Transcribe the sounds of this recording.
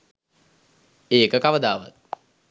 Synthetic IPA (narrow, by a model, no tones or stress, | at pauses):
eːkəkaʋəd̪aːʋa̰t̪̚